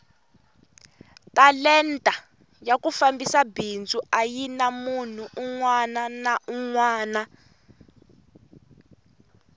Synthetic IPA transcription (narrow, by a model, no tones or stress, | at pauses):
talɛntʼa | jakufambisabind͡zuajinamun̤uʔːŋwananauŋwaːna